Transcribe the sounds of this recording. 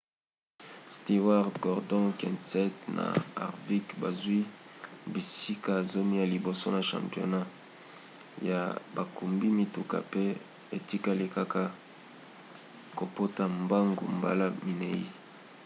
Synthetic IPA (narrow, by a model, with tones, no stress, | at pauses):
sti˨wa˦ʁɡɔ˨ʁdɔ̃˦kɛ̰̃˨nsɛ˦tna̰˨a̰˨ʁvi˦kba˨zwi˦bi˨si˦ka˦˨zo˦mi˦ja˨li˨bo˨so˦na˨ʃã̰˨mpjo̰˨na˦ | ja̰˨ba˨ku˨mbi˦mi˨tu˨ka̰˨pe˦ | e˨ti˦ka˦li˦ka˦ka˦ | ko˨po˦ta˨mba˦ŋɡṵ˨mba̰˦la˦mi˨ne˨ḭ˦